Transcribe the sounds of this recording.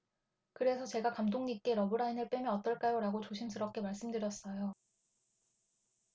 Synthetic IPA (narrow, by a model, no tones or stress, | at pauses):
kɯɾe̞sʰʌt͡ɕe̞ɡakamdoŋɲik͈e̞ɾʌbɯɾainɯɭp͈jemjʌnʌt͈ʌɭk͈ajoɾaɡot͡ɕoɕʰimsʰɯɾʌp̚k͈e̞maɭs͈ɯmdɯɾjʌs͈ʌjo